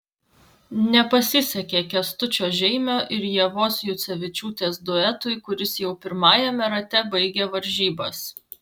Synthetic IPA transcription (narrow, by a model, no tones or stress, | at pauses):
nʲɛpɐsʲɪsʲɛkʲeːkʲɛst̪ʊt͡ʃʲoːʒʲɛɪmʲoːʔɪɾjiɛʋoːsjʊt̪sʲɛʋʲɪt͡ʃʲuːt̪ʲeːsd̪oɛt̪ʊɪkʊɾʲɪsjɛʊpʲɪɾmɑːjɛmʲɛɾɐt̪ʲɛbɐɪɡʲeːʋɐɾʲʒʲiːbɐs